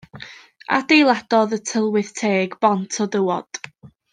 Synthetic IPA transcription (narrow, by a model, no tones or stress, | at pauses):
a̰d̥ejlˠad̥ɔðətʰəlˠwɪθtʰeːɡb̥ɔntʰɔdəwɔd̥